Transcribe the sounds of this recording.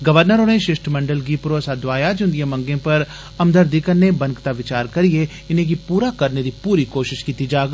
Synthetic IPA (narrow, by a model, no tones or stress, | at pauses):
ɡɐʋəɾnəɾoneʃɪʃʈʰmɐ̃ɳɖəlɡipʊɾoːsad̪ʋaːjad͡ʒʊnd̪ɪjẽmɐ̃ŋɡẽpɐɾ | ɐmd̪əɾd̪ikənːebɐ̃nkt̪aʋɪt͡ʃaːɾkɐɾie | ɪnẽk̬ipuːɾakɐɾned̪ipuːɾikoːʃɪʃkiːt̪id͡ʒaːɡ